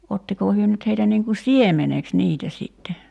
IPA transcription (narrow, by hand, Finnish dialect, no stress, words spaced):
otːikoː hyø nyt heitæ niːŋ ku siemeneks niːtæ siˑtːe